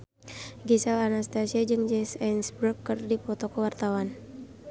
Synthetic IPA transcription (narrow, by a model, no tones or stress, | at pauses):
ɡisalanast̪asiad͡ʒɨŋd͡ʒɛsɛnsbɾukːərdipɔt̪ɔkɔwart̪awan